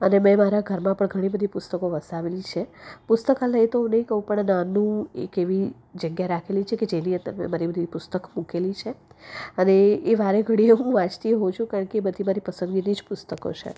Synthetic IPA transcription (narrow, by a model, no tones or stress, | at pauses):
ənemɛ̃maɾaɡʱəɾmãpəɳɡʱəɽ̃ibəd̪ʱipʊst̪əkoʋəsaʋelit͡ʃʰepʊst̪əkaləɦit̪oɦũnəɦĩkəɦũpəɳnãnũḛkeʋi | d͡ʒəɡjaɾakʰelit͡ʃʰeked͡ʒeniə̃nt̪əɾmɛ̰̃maɾibəd̪ʱipʊst̪əkmũkelit͡ʃʰeəneːʋaɾeɡʱəɽ̃ieɦũʋãt͡ʃt̪iɦot͡ʃʰũkaɾəɳkeːbəd̪ʱimaɾipəsə̃ŋɡinid͡ʒpʊst̪əko̰t͡ʃʰḛ